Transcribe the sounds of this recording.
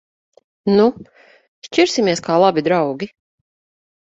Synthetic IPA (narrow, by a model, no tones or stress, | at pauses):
nu | ʃt͡ʃiɾsimiɛskʰaːlˠabid̪ɾawɡʲi